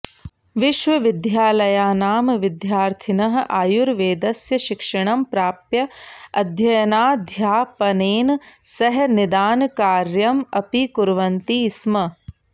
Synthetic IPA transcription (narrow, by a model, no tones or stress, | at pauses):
ʋiʃʋɐʋid̪jaːlɐjaːnaːmɐʋid̪jaːɾt̪ʰinɐɦɐʔaːjuɾʋeːd̪ɐsjɐʃikʂɐɳɐmpɾaːpjɐɐd̪ʱjɐjɐnaːd̪ʱjaːpɐneːnsɐɦnid̪aːnkaːɾjɐmɐpikuɾʋɐnt̪iːsmɐ